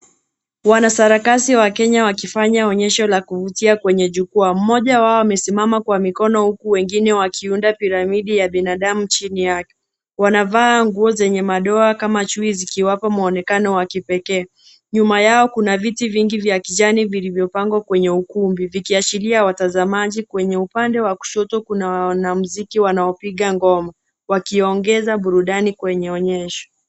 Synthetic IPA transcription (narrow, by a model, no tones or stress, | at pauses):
wanasaɾakasiwakɛɲawakifaɲaɔɲɛʃɔlakuvutiakwɛɲɛʄukuam̩mɔʄawaɔwamɛsimamakwamikɔnɔhukuwɛŋɡinɛwakʰiundapiɾamiɗijaɓinaɗamut͡ʃinijakɛ | wanavaːŋɡuɔzɛɲɛmaɗɔakamat͡ʃuizikiwapamaɔnɛkanɔwakipɛkɛː | ɲumajaɔkunavitiviŋɡivjakiʄanivilivjɔpaŋɡwakwɛɲɛukumbivikiat͡ʃiliawatazamaʄikwɛɲɛupandɛwaku̥ʃɔtɔkunawnamuzikiwanaɔpiɠaŋɡɔma | wakiɔŋɡɛzaɓuɾuɗanikwɛɲɛɔɲɛʃɔ̥